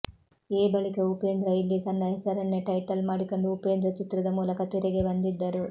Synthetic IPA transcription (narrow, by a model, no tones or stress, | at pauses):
eːbɐɭikɐupe̞ːnd̪ɾɐilːik̪ɐnːɐɦesɐɾɐnːeʈɐjʈɐlmaːɽiko̞ɳɖuupe̞ːnd̪ɾɐt͡ʃit̪ɾɐd̪ɐmuːlɐkɐt̪iɾɛɡe̞bɐnd̪id̪ːɐɾu